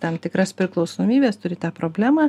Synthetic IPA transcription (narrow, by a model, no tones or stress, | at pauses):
t̪ɐmt̪ʲɪkɾɐspʲɾʲɪklˠɒʊsoːmʲiːbʲeːst̪ʊɾʲɪt̪ɑːpɾoːbʲlʲæːmɑː